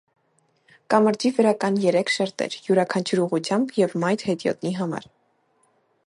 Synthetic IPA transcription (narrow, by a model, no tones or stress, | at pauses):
kɑməɾd͡ʒivəɾɑkɑnjɛɾɛkʰʃɛɾt̪ɛ̰ɾjuɾɑkʰɑnt͡ʃʰuɾuʁut͡sʰjɑmbjɛvmɑjt̪hɛt̪jɔ̰t̪niɦɑmɑ̰ɾ